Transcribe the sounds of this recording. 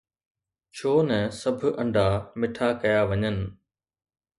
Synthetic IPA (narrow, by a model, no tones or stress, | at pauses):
t͡ɕʰoːnɛ̃sɐbʱɐ̃ɳɖʱamɪʈʰakɐjaʋɐɲənɪ̆